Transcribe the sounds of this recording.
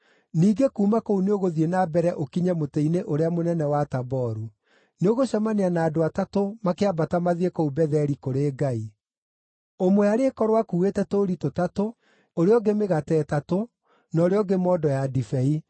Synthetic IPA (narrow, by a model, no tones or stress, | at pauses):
niːɡekuːmakouneoɣoðienabɛɾɛʔokiɲɛmotɛineʔoɾeamonɛnɛwatabɔɾu | neoɣoɕamaneanaːdoatatomakeabatamaðiekoubɛðɛɾikoɾeːɡai | omoaɾeːkɔɾwakuetɛtoːɾitotato | oɾeɔɡemeɣatɛːtato | nɔːɾeɔɡemɔːdɔjadifɛi